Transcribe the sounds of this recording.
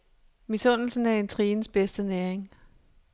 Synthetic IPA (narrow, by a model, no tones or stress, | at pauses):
misɔ̽n̰l̩sn̩æɐe̝nt͡sʰʁiːnsb̥esd̥ənæːɐeŋ